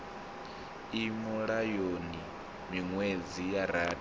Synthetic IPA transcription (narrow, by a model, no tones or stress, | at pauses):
imuɺajoni | miŋwed͡zijaɾaːd